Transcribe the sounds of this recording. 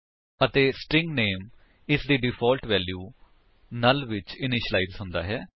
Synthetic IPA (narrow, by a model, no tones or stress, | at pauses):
ət̪eːsʈɾɪ̃ŋɡneːm | ɪsd̪iːɖɪpʰɔːlʈʋɛːljuː | naːlʋɪt͡ʃɪnɪʃəlaːiːzɦʊ̃nd̪a̰ːɦɛː